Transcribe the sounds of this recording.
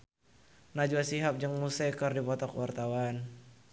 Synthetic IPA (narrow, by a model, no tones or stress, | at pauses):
nad͡ʒuasiɦap̚d͡ʒəŋmusɛkərdipɔt̪ɔkwart̪awan